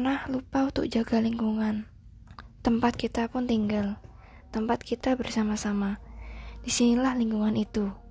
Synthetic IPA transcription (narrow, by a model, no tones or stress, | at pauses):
nahlupaut̪ʊ̰k̚d͡ʒaɡaliŋkuŋan | t̪əmpat̪̚kit̪apʊnt̪iŋɡal | t̪əmpat̪̚kʰit̪abərsamasamadisinilahliŋkuŋanit̪u